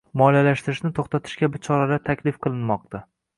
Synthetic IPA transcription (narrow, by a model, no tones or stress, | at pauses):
mɒlalaʃt̪ɪɾɪʃnɪt̪ʰoχt̪ʰat̪ʰɪ̥ʃkʲabɪt͡ʃʰɒɾalat̪ʰakʲlɪfqʰɨlˠɪnmɒq̚t̪ʰa